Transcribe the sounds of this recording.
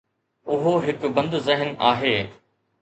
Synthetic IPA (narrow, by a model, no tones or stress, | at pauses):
ʊɦoɦɪkʊbɐ̃nd̪zɪɦənaːɦeː